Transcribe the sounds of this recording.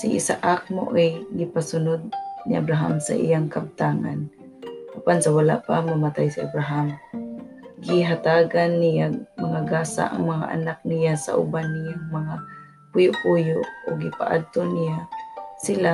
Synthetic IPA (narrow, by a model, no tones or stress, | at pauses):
siʔɪsaʔak̚mo̰ʔojɡɪpasʊnʊd̪̚niʔa̰bɾaɦamsa̰ʔḭjaŋkab̚t̪aːŋa̰n | ʔapansawala̰ʔpamamat̪ajsiabɾaɦam | ɡiɦat̪aːɡanːijamaŋaɡaːsa̰ʔa̰ŋmɐŋa̰ʔa̰nak̚nijasa̰ʔʊ̰banːijaŋmaŋa | pʊjʊʔpujʊʔo̰ɡːɪpa̰ʔa̰d̪̚t̪onijasɪla